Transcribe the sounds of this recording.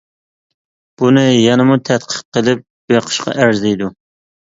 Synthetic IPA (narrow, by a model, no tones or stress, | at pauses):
b̥unɪjɑnɨmut̪ʰɛt̪qʰə̥q̚qəlˠɪp̚b̥eqʰə̥ʃqʰɑ̰ʔæɾzɛjd̪u